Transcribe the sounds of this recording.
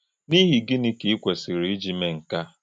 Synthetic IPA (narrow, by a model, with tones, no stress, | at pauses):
ni˦ɦi˨ɡɪ˦nɪ˦ki˨i˦kʷe˨si˨ɾi˨i˦d͡ʒi˦me˦ŋ̩˨ka˦